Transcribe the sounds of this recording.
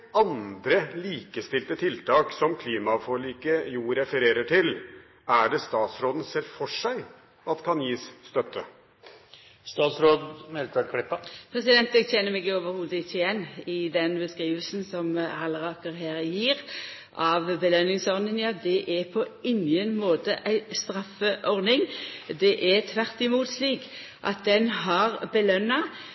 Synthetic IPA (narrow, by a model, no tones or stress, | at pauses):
ɑnd̪ɾəliːkəst̪ɪlt̪ət̪ʰɪlt̪ʰɑːksɔmkʰliːmɑfɔɭiːkəjuːɾɛfəɾeːɾəʈʰɪl | æɖɛst̪ɑːt̪sɾoːd̪ən̩seːɾfɔʂæɪ | ɑt̪kʰɑnjiːsst̪œt̪ʰːə | st̪ɑːt̪sɾoːd̪mɛlt̪ʰʋəkʰɽɪpːɑpʰɾɛsɪd̪ɛnt̪ɛɡtʰɛnːəmɛɡəoːʋəɾhuːd̪əɪtːɪjɛnːɪd̪ɛnbəskʁiːʋəlsnsɔmhɑləʁɑːkəʁɦæːɾjiːɾ | ʔɑʋbəlœnːɪŋsɔʁnɪŋjɑːd̪ɛʔæpʰɔɪŋənmoːt̪əʔæɪst̪ɾɑfəʔɔʁnɪŋd̪ɛʔɛt̪ʰʋæʁt̪ɪmuːt̪sliːk | ʔɑ̰t̪̚d̪ɛnɦɑʁbəlœnːɑ